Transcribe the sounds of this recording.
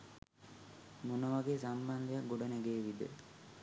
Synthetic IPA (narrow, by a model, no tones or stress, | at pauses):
monəʋaɡesamband̪ejak̚ɡoɖaneɡeʋid̪ə̰